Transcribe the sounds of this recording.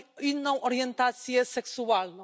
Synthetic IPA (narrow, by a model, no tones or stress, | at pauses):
inɐ̃w̃ʔɔɾiẽnt̪aɾsiɐsɛksualˠnɐ̃